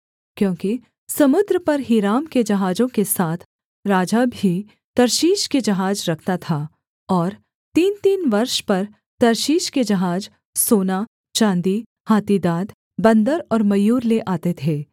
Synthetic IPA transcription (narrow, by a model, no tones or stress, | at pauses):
kjõːki | sɐmʊd̪ɾəpɐɾɦɪɾaːmked͡ʒɐɦaːd͡ʒõkesaːt̪ʰ | ɾaːd͡ʒabʱi | t̪ɐɾʃiːʃked͡ʒɐɦaːd͡ʒɾɐkʰt̪at̪ʰaː | ɔːɾ | t̪iːnt̪iːnʋɐɾʃpɐɾ | t̪ɐɾʃiːʃked͡ʒɐɦaːd͡ʒ | soːna | t͡ʃãːnd̪i | haːt̪id̪aːd̪ | bɐ̃nd̪əɾɔːɾmɐjuːɾleʔaːt̪et̪ʰeː